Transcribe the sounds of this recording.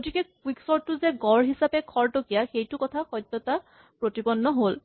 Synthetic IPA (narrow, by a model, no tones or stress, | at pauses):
ɡotikɛkwiksɔɹʊzɛɡɔɹɦisapɛkʰɔɹtokijaxejtʊkɔtʰaxɔjd̪ːɔta | pɹotibɔnːɔɦol